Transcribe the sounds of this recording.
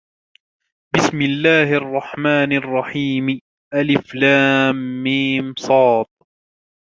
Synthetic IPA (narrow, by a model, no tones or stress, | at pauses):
bɪsmɪlːaːhʔɑrˤːɑħmaːnʔɑrˤːɑħiːm | ʔalɪflaːmːɪmsˤɑːt̪̚ˤ